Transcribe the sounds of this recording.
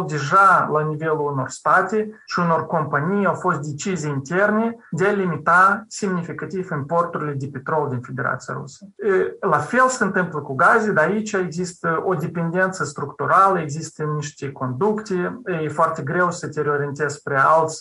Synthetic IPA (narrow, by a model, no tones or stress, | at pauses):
ld̪e̞ʒalanive̞luluno̞rst̪at̪eʃiuno̞rko̞mpanʲijawfo̞st̪̚d̪ʲe̞t͡ʃizieint̪e̞rne̞d̪ealimit̪asimnifikat̪ivɨnpo̞rt̪uɾʲilʲe̞d̪epe̞t̪ɾo̞ld̪infe̞d̪ʲe̞ɾa̰t̪sija̰ɾṵsə̥lafe̞lsəɨnt̪ɨmpləkuɡazʲed̪aːit͡ʃʲaeɡzist̪əod̪e̞pe̞nd̪ʲe̞nt̪səst̪ɾukt̪uɾaləeɡzist̪ənːiʃt̪ʲeko̞nd̪ukt̪ʲejefoart̪ʲeɡɾe̞wsət̪ʲeɾeoɾʲient̪e̞z̥pɾealt̪sʲ